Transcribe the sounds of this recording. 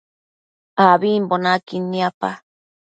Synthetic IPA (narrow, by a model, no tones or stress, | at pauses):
aβimbonakiniapa